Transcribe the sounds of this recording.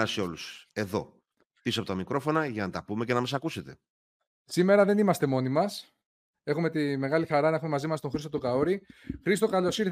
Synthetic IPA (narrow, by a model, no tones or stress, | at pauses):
ɐseo̞luse̞ðo̞̰ | pisoɐpot̪ɐmikɾo̞fo̞nɐʝɐnɐt̪ɐpumecenɐmɐsɐkuse̞t̪e̞ | sime̞ɾɐðe̞nimɐst̪e̞mo̞nimɐs | e̞xume̞t̪ime̞ɣɐlixɐɾɐnɐexume̞mɐzimɐst̪o̞ŋxɾist̪ot̪okɐoɾixɾist̪o̞kɐlo̞siɾ